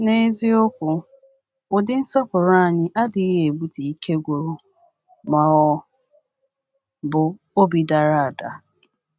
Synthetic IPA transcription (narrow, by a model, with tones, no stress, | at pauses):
ne˦zi˦ʊ˦kʷʊ˨ | ʊ˨dɪ˦n̩˦sɔ˦pʊ˨ɾa˦a˨ɲɪ˦ʔa˦dɪ˨i˦ɦe˨bu˦ti˨i˦kʰe˦ɡʷo˨ɾu˦ | ma˨ɔ˦ | bʊ˨ | o˦bi˨da˨ɾa˨a˨da˨